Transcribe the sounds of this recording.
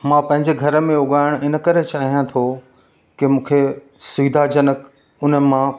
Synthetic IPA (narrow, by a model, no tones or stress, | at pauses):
mãːpɐ̃ɦɪ̃ɲd͡ʑeɡʱɐɾəmẽʊɠaːɪɽ̃ɪnəkɐɾet͡ɕaːɦijãt̪ʰo | kɪmũːkʰe | siːd̪ʱad͡ʑənək | ʊnəmã